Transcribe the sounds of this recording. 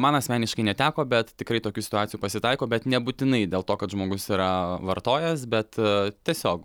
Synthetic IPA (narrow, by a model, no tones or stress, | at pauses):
mɐnɐsʲmʲæːnʲɪʃkɐɪnʲɛt̪ʲæːkoːbʲɛt̪tʲɪkɾɐɪt̪oːkʲuːsʲɪ̥t̪ʊɑːtt͡sʲɪjuːpɐsʲɪt̪ɐɪkoːbʲɛt̪nʲɛbʊt̪ʲɪnɐɪdʲeːlˠt̪oːkɐt̪ʒmoːɡʊsiːɾɐʋɐrt̪oːjɛs̬bʲɛt̪t̪ʲiɛsʲoːk